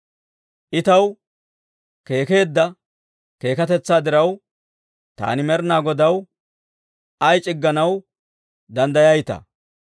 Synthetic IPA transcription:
ʔɪt̪ɐw | ke̞ːke̞ːd̪ːɐ | ke̞ːkɐt̪ɛt͡sːaːd̪ɪɾɐw | t̪a̰ːnɪmɛɾnaːɡɔd̪ɐw | ɐjt͡ʃʼɪɡːɐnɐw | d̪ɐnd̪ɐjɐjt̪ɐ̰

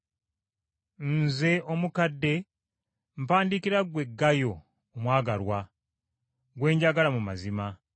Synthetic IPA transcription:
nze̞ʔomukadːe̞ | m̩paːndikiɾaɡwe̞ɡːajo̞ː | mwaːɡalwa | ɡwe̞ːɲɟaɡalamuma̰zima

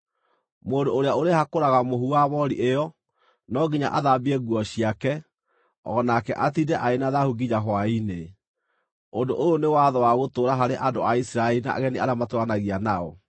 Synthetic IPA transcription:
moːndooɾeaoɾehakoɾaɣamoɦuaβɔɾḭʔeɔ | nɔɡiɲa̰ʔaðabiɛɣuɔɕiakɛ | ɔ̰nakɛʔatidɛʔaenaðahuɡid͡ʑaɦwaine | ondoʔoonewaðɔwaɣotoːɾaɦaɾeʔandoaisiɾaeɾina̰ɣɛniaɾamatoanaɣianaɔ̰

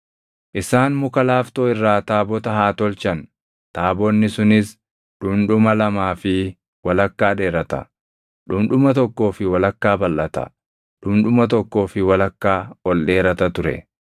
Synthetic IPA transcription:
ʔɪsaːnmʊkɐlaːft̪oːɪrːaːt̪aːbɔt̪ɐɦaːt̪ɔlt͡ʃɐn | t̪aːbɔnːɪsʊnɪs | ᶑʊmᶑʊmɐlɐmaːfɪ | wɐlɐkːaːᶑe̞ːɾɐt̪ɐ̰ | ᶑʊmᶑʊmɐt̪ɔkːo̞ːfɪwɐlɐkːaːbɐlʔɐt̪ɐ̰ | ᶑʊmᶑʊmɐt̪ɔkːo̞ːfɪwɐlɐkːaːɔlɗe̞ːɾɐt̪ɐt̪ʊɾɛ̰

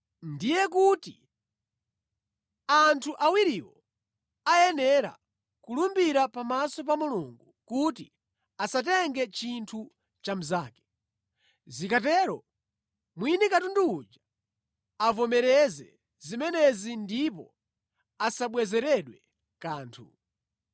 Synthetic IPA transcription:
ndijɛkuti | antʰuʔawiɾiwɔ | ajɛnɛɾa̰ | kulumbiɾapamasɔp̬amuluŋɡukuti | asat̬ɛŋɡɛt͡ʃintʰu | t͡ʃam̩zaːkɛ̥ | zikatɛɾɔ̰ | mwinikatunduːd͡ʒa | avɔmɛɾɛzɛ̰ | zimɛnɛzindipɔ | asaɓwɛzɛɾɛɗwɛ | kaːntʰṵ

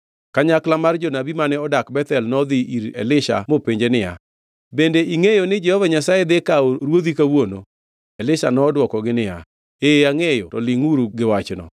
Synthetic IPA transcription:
kaɲaklamard͡ʒɔnabimanɛɔdakbɛt̪ɛlnɔd̪ɪiɾɛ̰lɪʃa̰mopeɲd͡ʒenɪja̰ | bendeʔiŋejonɪd͡ʒɛhɔvaɲasajed̪ekaoɾwod̪ikawono̰ | ɛlɪʃanɔːdwɔkɔɡɪnɪja̰ | eaŋejotɔlɪŋuɾuɡɪwat͡ʃnɔ̰

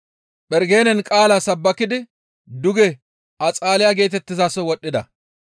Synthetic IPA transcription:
ɓɛɾɡe̞ːnɛnkʼaːlasɐbːɐkːɪd̪ɪ | d̪ʊɡɛ | ʔɐt͡sʼaːlɪjaɡe̞ːt̪̬ɛt̪ːɪzaːsɔwɔɗːɪd̪ɐ

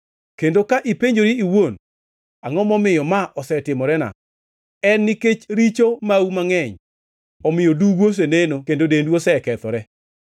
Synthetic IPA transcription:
kendokaʔipeɲd͡ʒoɾiiwon | aŋɔmɔmɪjɔmaʔɔsɛtɪmɔɾɛna̰ | ɛnːiket͡ʃɾit͡ʃomaumaŋɛɲ | ɔmɪjoduɡos̬enenokendodendwosɛkɛt̪ɔ̰ɾɛ

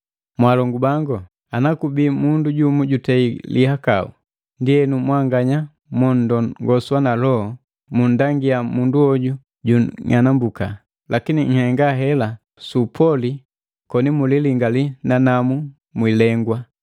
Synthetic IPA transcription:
mwalɔŋɡubaŋɡɔ | anakubiːmunduɟumuɟutɛilihaka̰ṵ | ndiɛnumwaŋɡaɲa | mɔn̩dɔŋɡɔswanalɔhɔ | mundaŋɡiamunduɔɟu | ɟuɲʔanambuka̰ | lakiniŋ̩hɛŋɡaɦɛla | supʰɔli | kɔnimuliliŋɡalinanamu | mwilɛŋɡwa

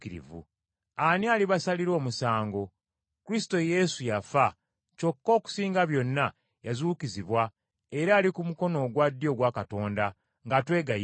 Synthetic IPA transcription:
kiɾḭvṵ | anialiβasaliɾo̞ːmusaːŋɡo̞ | kuɾisi̥to̞je̞sujafa | co̞kːo̞ːku̥siːŋɡaβjo̞nːa | jazuːkiziβwa | e̞ɾaːlikumuko̞no̞ɡwadːjo̞ɡwakato̞ːnda | ŋɡatwe̞ːɡaj

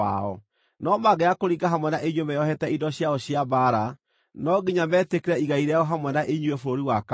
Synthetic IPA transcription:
aɔ | nɔmaɡɛakoɾiɡaɦamwɛnaʔeɲwemɛjɔhɛtɛidɔɕjaɔɕjabaɾa | nɔɡiɲamɛːtekeɾɛiɣaiɾɛɔɦamwɛnaʔeɲuɛfɾoɾiwak

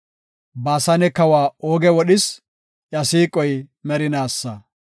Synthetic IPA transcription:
baːsɐnɛkɐwaːoːɡɛwɔɗɪs | ʔjɐsiːkʼɔjmɛɾɪnaːsːɐ

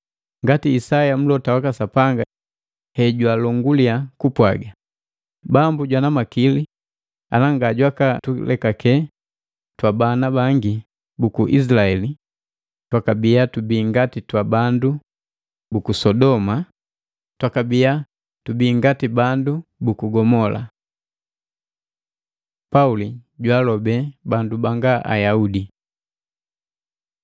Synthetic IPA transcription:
ŋɡatiːsajam̩lɔtawakasapaŋɡa | hɛɟwalɔŋɡuliakupwaɡa | bambuɟwanamakili | a̰naŋɡaɟwakatulʔɛkakɛ | twabanabaŋɡi | bukuʔis̬laɛli | twakabijatubiːŋɡatitwabandu | bukusɔdɔma | twakabija | tubiːŋɡatibandubukuɡɔmɔla̰ | pauliɟwalɔbɛbandubaŋɡaʔa̰jaudi

